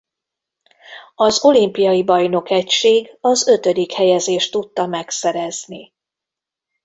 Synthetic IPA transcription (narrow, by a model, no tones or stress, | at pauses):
ɒzo̞limpijɒjibɒjno̞kɛcʃeːɡɒzø̞t̪ø̞d̪ikhɛjɛzeːʃt̪ut̪ːɒmɛksɛɾɛzni